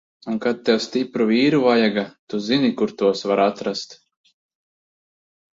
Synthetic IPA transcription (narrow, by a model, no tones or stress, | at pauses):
uŋkat̪̚t̪ːɛwst̪ipɾuviːɾuvajaɡat̪uzinikuɾt̪uɔsvaɾat̪ɾast̪